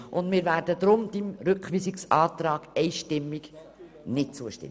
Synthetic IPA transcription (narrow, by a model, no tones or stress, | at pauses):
ʔʊndmɪːɾvæːɾdəd̪ɾʊmd̥imɾʏkχʋiːsiksɑːt̪ɾɑːɡ̥ɛɪʃtɪmːiɡ | nɪt̚t͡suəʃtɪ̰m